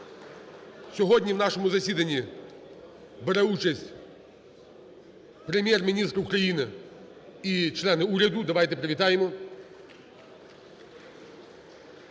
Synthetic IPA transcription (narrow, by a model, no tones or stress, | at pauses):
sʲɔɦɔdʲnʲiwnɑʃɔmʊzɐsʲid̪ɐnʲːi | beɾɛut͡ʃɐsʲtʲ | pɾemʲjɛrmʲinʲist̪ɾɐukɾɐjinɪ | it͡ʃlˠɛnɪuɾʲɐd̪ʊd̪ɐʋajt̪ɛpɾeʋʲit̪ɑjɪmɔ